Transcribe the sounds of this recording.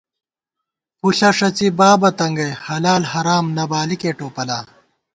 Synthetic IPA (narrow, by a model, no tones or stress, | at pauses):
puɬɐʂɐt͡ɕibaːbɐt̪ɐŋɡɐjhɐlaːlhɐɾaːmnɐbaːlikeːʈoːpɐlaː